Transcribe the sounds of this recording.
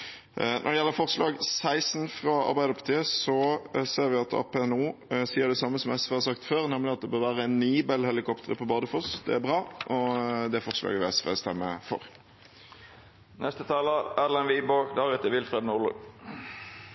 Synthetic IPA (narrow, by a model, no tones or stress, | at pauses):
nʔɔ̰ʁd̪ɛjɛlːəɾfɔʁslɑːɡsæɪsnfʁɑɑ̰ɾbæɪd̪əɾpʰɑ̥t̪ʰiːəsɔseːʁʋɪɑt̪ʰɑ̰ːpɛɛnuːsiːəd̪ɛsɑmːəsɔmɛsʋeːhɑsɑkt̪føːʁnɛmlɪɑt̪̚d̪ɛbøːʁʋæːʁəɛnːiːbɛlhɛlɪkɔpt̪əʁəpʰɔbɑːd̪əfɔsd̪ɛ̰æbʁɑːʔɔd̪ɛæfɔʁslɑ̰ːɡəʋɪɛsʋḛːst̪ɛmːə̰fɔ̰ɾ | nʔɛst̪ət̪ʰɑːləɾɛlɛnʋiːboːkd̪ɑːʁʉt̪əʋɪlfɾeːd̪nʊlə̰ɡ